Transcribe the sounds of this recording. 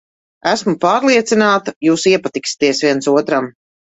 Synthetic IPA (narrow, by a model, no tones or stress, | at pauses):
æsmupaːɾlˠiɛt̪sinaːt̪ajuːsiɛpat̪iksʲi̥t̪iɛsviɛnsuɔt̪ɾam